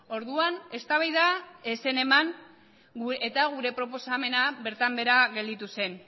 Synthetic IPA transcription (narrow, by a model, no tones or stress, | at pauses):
o̞ɾðuane̞st̪aβajðaese̞ne̞maŋ | et̪aɣuɾe̞pɾo̞po̞same̞naβe̞ɾt̪ambe̞ɾaɣe̞ld̪it̪use̞n